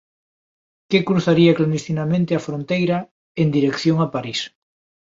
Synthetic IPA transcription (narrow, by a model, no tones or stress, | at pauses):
kekɾuθaɾiɐkland̪ist̪inamẽnt̪eafɾõnt̪ejɾɐ | end̪iɾekθjoŋapaɾis